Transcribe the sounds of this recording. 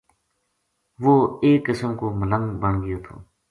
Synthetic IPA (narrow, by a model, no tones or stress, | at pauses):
ʋoːeːkːəsəmkoːmələŋɡbəɳɡɪjoːt̪ʰo̰ː